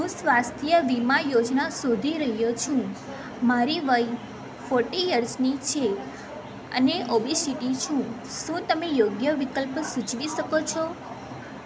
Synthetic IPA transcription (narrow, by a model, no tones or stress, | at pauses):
ɦũsʋast̪ʰijəʋimajod͡ʒnasod̪ʱiɾəɦijot͡ʃʰũ | maɾiʋəj | foɾʈijəɾsnit͡ʃʰe | ə̰neʔobʱisiʈit͡ʃʰũ | ʃũt̪əmejoɡjəʋikəlpsut͡ʃʋiʃəkot͡ʃʰɔ